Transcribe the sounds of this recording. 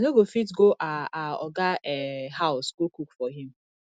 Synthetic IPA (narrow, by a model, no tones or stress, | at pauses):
noɡofitɡoʔaaɔ̰ɡaɛɦaʊsɡokukfɔɦĩm̩